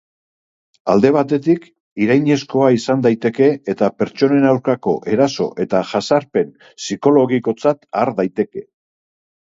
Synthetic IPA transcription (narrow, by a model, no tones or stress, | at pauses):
a̰ld̪e̞β̞at̪e̞t̪ik | iɾajɲe̞sko̞aisand̪ajt̪e̞ke̞ːt̪ape̞ɾt͡ʃo̞ne̞nawɾkako̞̰ʔe̞ɾaso̞̰ʔe̞t̪aʝasaɾpe̞n | siko̞lo̞ɣiko̞t͡sat̪aɾðajt̪e̞ke̞